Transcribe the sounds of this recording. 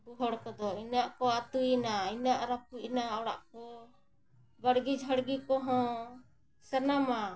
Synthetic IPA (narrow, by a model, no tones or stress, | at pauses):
buɦɔɽkɔd̪ɔinaʔkɔat̪uinainaʔɾapuʔnaɔɽa̰ʔkɔ | bəɽɡid͡ʒʱəɽɡikɔɦɔ̃ | sənama